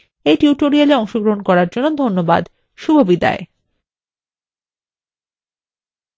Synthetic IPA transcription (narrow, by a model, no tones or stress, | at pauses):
eʈuʈoɾialeɔŋʃoɡɾoɦonkɔɾaɾd͡ʑonːod̪ʱonːoba̰d̪ | ʃubʱobid̪a̰e